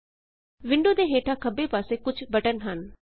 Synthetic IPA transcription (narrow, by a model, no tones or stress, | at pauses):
ʋɪ̃ɳɖõːd̪eːɦeːʈʰaːkʰəbeːpaːseːkʊt͡ʃʰbəʈənɦən